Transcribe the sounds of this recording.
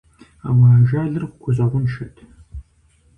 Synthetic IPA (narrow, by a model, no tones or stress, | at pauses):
a̰ːwaːʒaːɮɨrχʷʊɡʷʰʊzɐʁʷʊnʃɐtʰ